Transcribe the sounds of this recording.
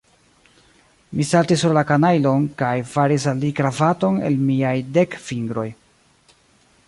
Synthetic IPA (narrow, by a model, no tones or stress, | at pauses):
misaltisːuɾlakanajlo̞nkajfaɾis̬alːikɾavato̞ne̞̰lmiajde̞kfiŋɡɾo̞j